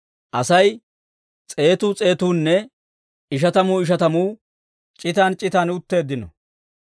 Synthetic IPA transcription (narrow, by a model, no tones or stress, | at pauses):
ʔɐsɐj | t͡sʼe̞ːt̪uːt͡sʼe̞ːt̪uːnːɛ | ɪʃ̬ɐt̪ɐmuːɪʃ̬ɐt̪ɐmuː | t͡ʃʼɪt̪aːnt͡ʃʼɪt̪aːnʊt̪ːe̞ːd̪ːɪnɔ̰